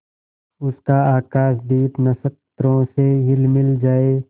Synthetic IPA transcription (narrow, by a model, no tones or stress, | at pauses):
ʊskaaːkaːʃd̪iːpnɐsək̚t̪ɾõseɦɪlmɪld͡ʒaːeː